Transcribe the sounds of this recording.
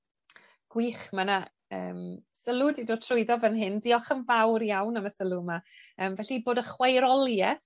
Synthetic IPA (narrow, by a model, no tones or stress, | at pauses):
ɡ̥wiːχmana | ə̰ːmsəlˠʊdidoːtʰrʊɨðɔvənɦɪndiɔχənvawrjawnəməsəlˠʊmaəːmvɛɬiboːdəχwajɾɔlˠjɛθ